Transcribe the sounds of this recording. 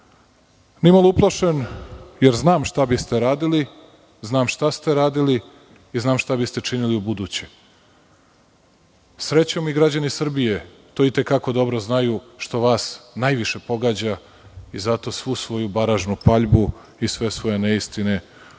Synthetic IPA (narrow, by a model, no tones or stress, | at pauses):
nimaluplˠaʃenjeɾznaːmʃt̪abist̪e̞ɾaːd̪ili | znaːmʃt̪ast̪e̞ɾaːd̪iliː | znaːmʃt̪abist̪e̞t͡ʂiniliubud̪uːt͡ɕe | sɾe̞t͡ɕo̞miɡɾad͡ʑanisr̩bije | t̪oːit̪e̞kako̞d̪o̞bɾoznajuʃt̪o̞ʋaːsnajʋiʃe̞po̞ɡaːd͡ʑa | izat̪o̞ːsʋuːsʋo̞jubaɾaʒnupaʎbu | isʋe̞sʋo̞je̞neist̪ine